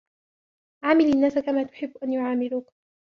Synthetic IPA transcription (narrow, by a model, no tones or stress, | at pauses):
ʕaːmɪlanːaːsakamaːt̪ʊ̥ħɪbːʔanjʊʕaːmɪluːk